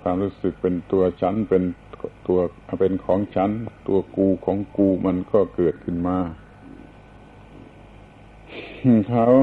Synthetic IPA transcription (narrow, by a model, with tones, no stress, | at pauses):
kʰwaː˧mɾuː˦˥sɯ˨˩k̚pe˧nt̪u˧ɐt͡ɕʰa˦˥˨npe˧nt̪u˧ɐ˧pe˧nkʰɔː˩˦ŋt͡ɕʰa˦˥˨nt̪u˧ɐkuː˧kʰɔː˩˦ŋkuː˧ma˧nkɔː˥˩kɤː˨˩t̪̚kʰɯ˥˩nmaː˧˩ | kʰa˦˥w